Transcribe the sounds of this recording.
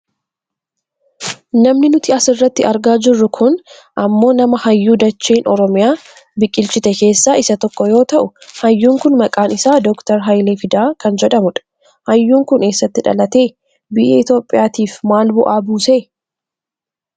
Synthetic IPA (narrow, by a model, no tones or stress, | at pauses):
nɐmnɪnʊt̪ɪɐsɪrːɐt̪ːɪɐɾɡaːd͡ʒɪrːʊkʰʊn | ʔɐmːo̞ːnɐmɐhɐjːuːd̪ɐt͡ʃːeːnɔɾɔmɪjaː | bɪkʼːɪlt͡ʃɪt̪ɛke̞ːsːaːʔɪsɐt̪ɔkːɔjo̞ːt̪ɐʔʊhɐjːuːŋkʊnmɐkʼaːnɪsaːd̪ɔkt̪ɐɾɦɐjleːfɪd̪aːkɐnd͡ʒɛᶑɐmʊᶑɐ̥ | hɐjːuːŋkʊne̞ːsːɐt̪ːɪᶑɐ̰lɐt̪e̞ː | bɪʔḛːɪt̪jo̞ːpʼːɪjaːt̪iːfmaːlbʊʔaːbuːseː